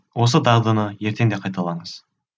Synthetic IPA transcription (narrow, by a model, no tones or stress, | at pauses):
wo̞s̬əd̪ɑʁd̪ənəje̞ɾt̪ʰe̞ŋd̪e̞qʰɑjt̪ɑlˠɑɴəz̥